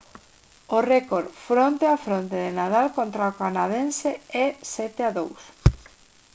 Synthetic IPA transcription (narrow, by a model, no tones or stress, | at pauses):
orɛkoɾfɾont̪eafɾont̪eðenaðalkont̪ɾaokanaðenseɛsɛt̪eaðows